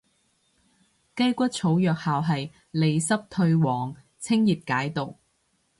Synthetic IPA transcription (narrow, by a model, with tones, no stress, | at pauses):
kɐ˥jkʷɐ˥t̚t͡sʰo˨˥wjœː˨k̚haː˨wɦɐ˨j | le˨jsɐ˥p̚t̪ʰɵ˧ɥwɔː˨˩ŋ | t͡sʰɪ˥ŋjiː˨˩p̚kaː˨˥jt̪o˨w